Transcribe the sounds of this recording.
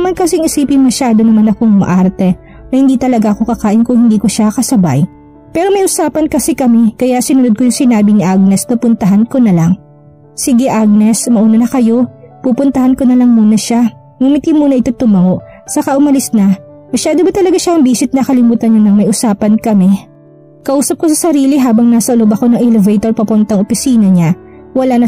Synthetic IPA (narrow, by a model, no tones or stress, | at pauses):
ɐmankɐs̬ɛɐŋɪsiːpɪŋmɐʃaːd̪o̞nɐmanɐkoŋmɐ̰ʔaɾt̪ɛ | nɐhɪnd̪iːt̪ɐlɐɡaʔɐko̞kɐkaːʔɪnkʊŋhɪnd̪iːko̞ʃakɐsɐba̰j | pɛːɾo̞mɐjʔʊsaːpɐnkɐsɛkɐmɛkɐjasɪnʊnod̪̚kojʊŋsɪnaːbɪnɪʔaɡ̚nɛsp̪ɐpʊnt̪ɐɦɐnko̞nɐlaŋ | siɡɛʔaɡ̚nɛsmɐʔuːnɐnɐkɐjo̞pupʊnt̪ɐhɐnko̞nɐlɐŋmuːnɐʃa | mʊmɪt̪imuːnɐʔɪt̪o̞t̪ːʊmɐŋo̞ʔ | sɐkɐʔʊmɐlɪsnɐ | mɐʃaːd̪obɐt̪ɐlɐɡaʃaʔɐŋbiːsɪt̪̚nɐkɐlɪmuːt̪ɐnɲanɐŋmɐjʔʊsaːpɐnkɐmɛ | kɐʔuːsɐp̚kos̬ɐsɐɾiːlɪɦaːbɐŋnaːsɐʊlobɐko̞nɐŋʔɛlɛvɛjt̪oɾpɐpʊnt̪ɐŋʔopɪsiːnɐɲa | wɐlanɐ